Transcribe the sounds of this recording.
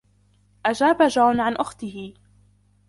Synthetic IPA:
ʔad͡ʒaːbad͡ʒaːnʕanʔʊxt̪ɪhɪ

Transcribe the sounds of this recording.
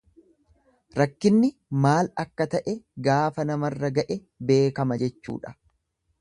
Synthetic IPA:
ɾɐkːɪnːɪmaːlɐkːɐt̪ɐʔɛɡaːfɐnɐmɐrːɐɡɐʔɛ | be̞ːkɐmɐd͡ʒɛt͡ʃːṵːᶑɐ̥

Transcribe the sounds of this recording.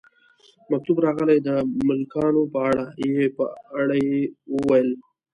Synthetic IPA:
mak̚t̪ubɾɑɣəlajd̪əmʊlkɑnopəaɽajeepə̰aɽajewəwajəl

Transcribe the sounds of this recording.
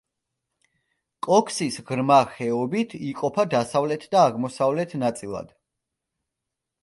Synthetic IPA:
kʼɔkʰsisʁɾmaχɛɔbit̪ʰiqʼɔpʰad̪asavlɛt̪ʰd̪aːʁmɔsavlɛt̪ʰnat̪sʼilˠa̰d̪̥

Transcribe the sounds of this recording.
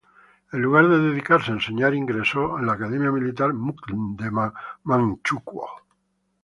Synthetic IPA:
elːuɣ̞aɾðeðeð̞ikaɾseenseɲaɾiŋɡɾesoenlaːkaðemjamilit̪aɾmuklnd̪emamãŋt͡ʃukwo̰

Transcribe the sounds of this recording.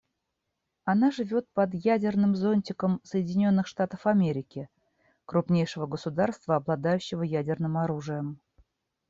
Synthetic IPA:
ɐnaʐɨvʲo̞t̪̚pɐd̪jædʲɪrnɨmzo̞nʲtʲɪkəmsəjɪdʲɪnʲo̞nːɨxʂt̪at̪əfɐmʲeɾʲɪkʲɪ | kɾʊpnʲejʂɨvəɡəsʊd̪arst̪vəɐblˠɐd̪ajʉɕːɪvəjædʲɪrnɨmɐɾuʐɨjəm

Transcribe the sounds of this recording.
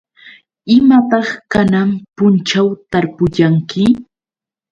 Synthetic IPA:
ɪmat̪ɑχkanampʊnt͡ʃawt̪aɾpʊʎaŋkɪ

